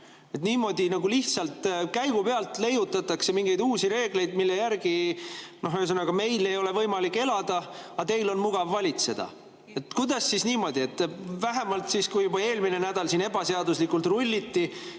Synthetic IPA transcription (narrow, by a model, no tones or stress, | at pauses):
e̞t̪niːmo̞d̪inɑɡuliht̪sɑlt̪kæjɡupeɑlt̪ˑle̞jut̪ːˑɑt̪ːˑɑkse̞miŋɡ̥e̞jd̪uːsiɾe̞ːɡ̥le̞jd̪̥milːe̞jærɡino̞ɦøs̬ɤnːɑɡ̥ɑme̞jle̞jo̞le̞vɤjmɑlikːˑe̞lɑd̪̥ɑɑt̪e̞jlo̞nmuɡ̥ɑvːɑlʲit̪se̞d̪̥ɑ̰ | e̞t̪kujd̪̥ɑsːisniːmo̞d̪ie̞t̪ˑːvæɦemɑlt̪siskujubɑe̞ːlmine̞næd̪̥ɑlsiːne̞bɑseɑd̪uslikult̪rulʲːit̪ːi